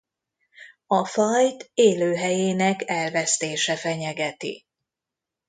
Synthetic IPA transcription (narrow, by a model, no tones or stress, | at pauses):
ɒfɒjt̪eːløːɦɛjeːnɛkɛlvɛst̪eːʃɛfɛɲɛɡɛt̪ḭ